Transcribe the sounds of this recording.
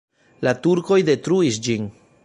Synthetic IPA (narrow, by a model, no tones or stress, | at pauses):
latuɾko̞jde̞tɾuisd͡ʒin